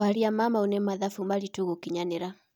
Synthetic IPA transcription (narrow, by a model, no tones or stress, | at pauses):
aɾiamamaunɛmaðafumaɾituɣukiɲanɛɾa